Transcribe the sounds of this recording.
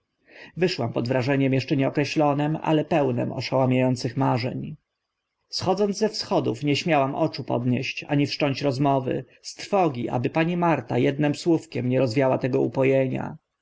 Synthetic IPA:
vɘʂwampɔd̪vɾaʐɛɲɛmjɛʂt͡ʂɛɲɛɔkɾɛɕlɔnɛma̰lɛpɛwnɛ̰mɔ̰ʂawamʲjajɔnt̪sɘxmaʐɛ̰ɲ | sxɔd̪zɔnd̪zzɛfsxɔd̪ṵfɲɛɕmʲjawamʔɔt͡ʂupɔ̰d̪ɲɛɕt͡ɕa̰ɲifʂtɔɲt͡ɕɾɔzmɔvɘ̰ | st̪ɾfɔɡʲiʔa̰bɘpaɲimaɾt̪ajɛd̪nɛmswufkʲɛmɲɛɾɔzvʲjawat̪ɛɡɔupɔjɛɲa̰

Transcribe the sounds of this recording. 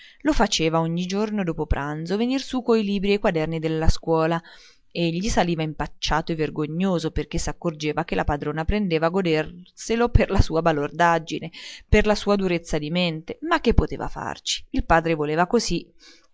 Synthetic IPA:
lofat͡ʃeːvaoɲːid͡ʒornod̪oːpopɾʔand̪zovenirsukoiliːbɾiejkwad̪ɛrnid̪elːaskwɔːla | eʎːisaliːvaimpat͡ʃːaːt̪oeverɡoɲːoːzoperk̟esakːord͡ʒeːvak̟elʔapad̪ɾoːnapɾend̪eːvaɡod̪erseloperlasuːabalord̪ad͡ʒineperlasuːad̪uɾet̪sːad̪iment̪emakːepːot̪ḛːva̰fa̰rt͡ʃi̥ːlpaːd̪ɾevoleːvakozi

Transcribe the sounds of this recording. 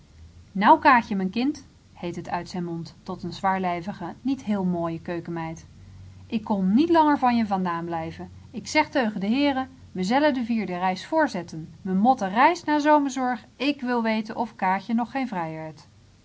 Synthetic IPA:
nʌwkaːxjəmɛnkɪnt | hejtɦətœɥtsɛjnmɔntːɔtənzʋaːɹlɛjvəχənitɦɪːlˠmoːjəkøɥkəmɛjt | ʔɪkːɔnːitlɑŋəɹvɑnjəvɑndaːnblɛjvən | ɪksɛχtøɥχədəɦɪːrə | məzɛlədəviːɹdərɛjsfʊːɹzɛtənʋəmɔtərɛjsnaːzowməɹzɔɹχ | ɪkʋɪlˠʋejtənʔɔfkaːçənɔχːejnvrɛjʋɛɹt

